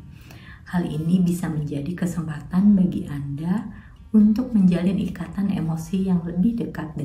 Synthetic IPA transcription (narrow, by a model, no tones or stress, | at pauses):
halḭnibisaməɲd͡ʒadikəsəmpat̪anbaɡḭʔanda | unt̪ʊk̚məɲd͡ʒalɪnḭkat̪anḛmosijaŋləbɪhdəkat̪̚d